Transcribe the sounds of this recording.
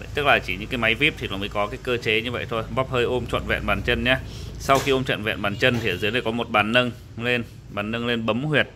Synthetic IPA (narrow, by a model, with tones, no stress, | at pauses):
t̪ɨ˦˥k̚laː˨˩t͡ɕi˧˩ɲɨ̰˧˥ŋkaː˨˦jma˨˦jvi˦˥p̚t̪i˨˩lɔː˨˩məː˨˦kɔ˨˦kaː˨˦jkəː˧t͡ɕe˨˦ɲɨ˧və̰˧˨jt̪ʰo˧jɓɔ˦˥p̚həː˧jʔo˧mt͡ɕwə̰˧˨nvɛ̰˧˨nɓaː˨˩nt͡ɕə˧nɲa˨˧˦sa˧wxi˧ʔo˧mt͡ɕwə̰˧˨nvɛ̰˧˨nɓaː˨˩nt͡ɕə˧nt̪ʰi˨ə˨˩zɨ˨˦ənə˨˩jkɔ˨˦mo˨˩t̚ɓaː˨˩nːə˧ŋ | le˧n | ɓaː˨˩nːə˧ŋle˧nɓə˨˦mhwi˨˩ət̚